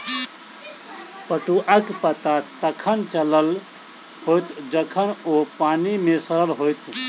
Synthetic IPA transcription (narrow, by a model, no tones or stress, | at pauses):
pəʈuʔakpət̪at̪əkʰənt͡ʃələl | hojt̪d͡ʒəkʰənopanimesəɾəlɦojt̪